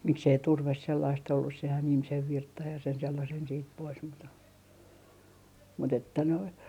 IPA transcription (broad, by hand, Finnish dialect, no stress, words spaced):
miksei turʋes selːɑist olːus sehæn ihmisen ʋirtːɑj jɑ sen selːɑsen siːt pois mut mut etːæ noin